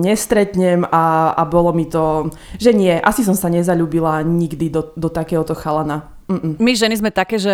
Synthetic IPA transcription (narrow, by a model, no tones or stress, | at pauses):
ɲɛst̪ɾɛt̪ɲɛmaa̰bɔlɔmit̪ɔ | ʒɛɲɪɛʔasis̬ɔmsaɲɛzaʎuːbilaɲiɡd̪id̪ɔd̪ɔt̪akɛːɦɔt̪ɔxalana | m̩ːmiʒɛnizmɛt̪akɛːʒɛ